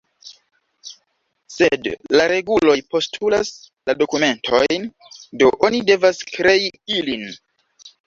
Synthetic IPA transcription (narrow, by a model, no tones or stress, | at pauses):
se̞dlaɾe̞ɡulo̞jpo̞stʰulas | lado̞kume̞ntʰo̞jn | do̞ʔo̞nide̞vaskɾe̞iilin